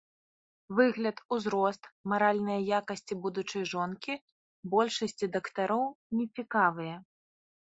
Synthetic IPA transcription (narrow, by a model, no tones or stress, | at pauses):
vɨɣlʲɐt̪uzɾɔst̪maɾalʲnɐjɐjakɐsʲt͡sʲibud̪ut͡ʂɐjʐɔnkʲi | bɔlʲʂɐsʲt͡sʲid̪ɐkt̪aɾɔwnʲɛt͡sʲikavɨjɐ